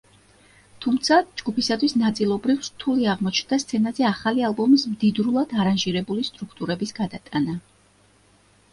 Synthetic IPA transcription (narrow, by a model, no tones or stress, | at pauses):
t̪ʰumt̪sʰad͡ʒɡupisat̪ʰwisnat̪sʼilˠɔbɾivst̪ʰuliaʁmɔt͡ʃʰnd̪ast̪sʰɛnazɛaχalialˠbɔmismd̪id̪ɾulˠad̪aɾanʒiɾɛbulist̪ʼɾukʰt̪ʼuɾɛbisɡad̪at̪ʼana